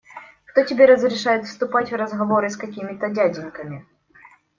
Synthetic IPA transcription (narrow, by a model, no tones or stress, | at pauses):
kt̪otʲɪbʲeɾəzɾʲɪʂajɪt̪fst̪ʊpatʲvrəzɣɐvo̞ɾɨskɐkʲimʲɪt̪ədʲadʲɪnkəmʲɪ